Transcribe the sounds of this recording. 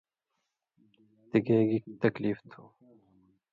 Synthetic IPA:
t̪ɪɡeːɡikt̪ɐkliːft̪ʰuː

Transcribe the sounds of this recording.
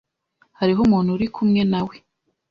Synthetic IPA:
haɾiɦomuːn̥huɾikʰumŋe̞nawe̞

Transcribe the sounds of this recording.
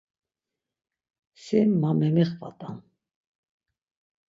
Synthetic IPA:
sɛmːamɛmɛχva̰t̪ʼa̰n

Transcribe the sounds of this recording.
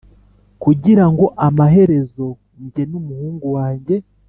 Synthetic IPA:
kuɟiɾaŋɡo̞ʔamaɦe̞ɾe̞zo̞ | ɲɟe̞numuhuːŋɡuwaːɲɟe̞

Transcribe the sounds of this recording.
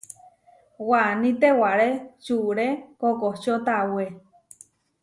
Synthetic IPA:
wanĩt̪ewaɾet͡ʃuɾekokot͡ʃot̪awe

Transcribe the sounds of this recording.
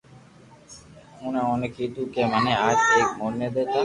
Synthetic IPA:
ũːnẽːoːnkʰiːt̪uːkeːmənẽːaːd͡ʒeːkmoːneːd̪eːt̪aː

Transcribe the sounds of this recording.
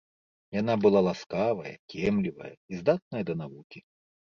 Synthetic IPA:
janabɨlˠalˠaskavɐjɐ̰kʲɛmlʲivɐ̰jɐ̰izd̪at̪̚nɐjɐd̪ɐnavukʲi

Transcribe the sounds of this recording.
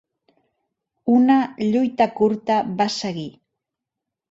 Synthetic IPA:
unaʎujt̪akuɾt̪aβasaɣi

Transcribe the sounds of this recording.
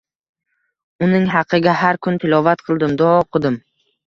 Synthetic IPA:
ʊnɪŋɦɑqʰɨɡʲahaɾkʰʊnt̪ʰɪlɒvat̪qʰɨlˠd̪ɪmd̪ɒɒqʰʊd̪ɪm

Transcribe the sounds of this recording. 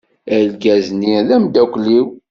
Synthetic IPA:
ælɡæzniðæmd̪ækʷːliw

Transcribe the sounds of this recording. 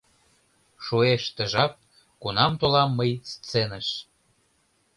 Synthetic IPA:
ʃueʃt̪ə̆ʒɑp̚ | kunɑmt̪olɑmːəjst͡senəʃ

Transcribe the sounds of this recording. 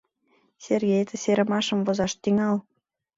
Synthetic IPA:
serɣejt̪ʰə̆seɾə̆mɑʃə̆mvozɑʃt̪yŋɑl

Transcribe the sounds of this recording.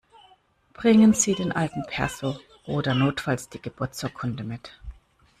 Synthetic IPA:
b̥ʁ̥ɪŋənz̥iːdeːnʔaltn̩pʰɛɐzo | ʔoːdɐnoːtfalsd̥iːɡəb̥ʊɐt͡shʊːɐkʰʊndəmɪt

